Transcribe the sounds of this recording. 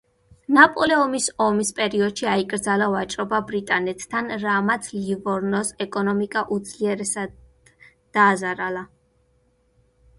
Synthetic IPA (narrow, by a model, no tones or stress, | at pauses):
napʼɔlɛɔmisɔmispʼɛɾiɔd̪̥ʃiaikʼɾd̪zalavat͡ʃʼɾɔbabɾit̪ʼanɛt̪ʰːanɾamat̪sʰlivɔɾnɔsɛkʼɔnɔmikʼaʔud̪zliɛɾɛsad̪ | d̪̥aːzaɾalˠa